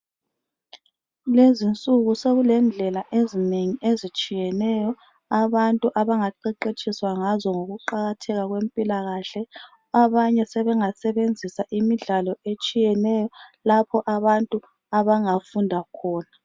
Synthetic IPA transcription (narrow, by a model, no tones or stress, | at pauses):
lezint͡sʼuɣuseɣulɛnd͡ɮʱɛlaʔezineŋiʔezit͡ʃʼijɛnɛjɔ | aβantʼuʔaβaŋaǃɛǃet͡ʃʼiswaŋazɔŋoɣuǃaɣatʰɛɣaɣwempʼilaɣaɬɛ | aβaɲɛsɛβɛŋasɛβend͡zʱisaʔimiɮalɔet͡ʃʼijɛnɛjɔlapʰɔʔaβantʼu | aβaŋafundʱakʰɔːna